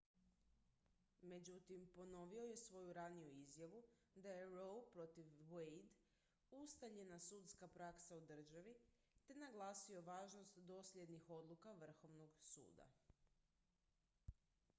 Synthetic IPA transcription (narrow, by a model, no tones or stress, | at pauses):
me̞d͡ʑut̪impo̞no̞ʋio̞je̞sʋo̞juɾanijuizjaʋu | d̪ajeɾowpɾo̞t̪iʋejd̪ | ust̪aɲe̞nasut̪skapɾaksaud̪r̩ʒaʋi | t̪e̞naɡlˠaːsio̞ʋaːʒnost̪d̪o̞slʲje̞d̪nixo̞d̪lˠukaʋr̩xo̞ʋno̞ɡsṵːd̪a̰